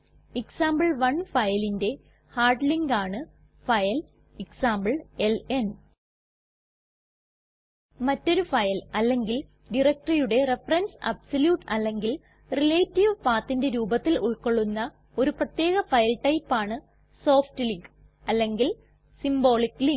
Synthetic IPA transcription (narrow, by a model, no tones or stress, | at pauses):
iksaːmbɐɭʋɐɳfɐjɐlinde̞ | haːrɖliŋɡaːɳɨ | fɐjɐl | iksaːmbɐɭelen | mɐtːo̞ɾufɐjɐlɐlːe̞ŋɡil | ɖirɐk̚ʈrijuɽe̞re̞fɐrɐnsɐ̰bsɐljuːʈɐlːe̞ŋɡil | rileːtːiʋpaːt̪ːinde̞ɾuːbɐt̪ːiluɭko̞ɭːunːɐ | o̞ɾuprɐt̪je̞ːɣɐfɐjɐlʈɐjpːaːɳɨ | so̞ːfʈɨliŋɡ | ɐlːe̞ŋɡil | simbo̞ːɭikːliŋ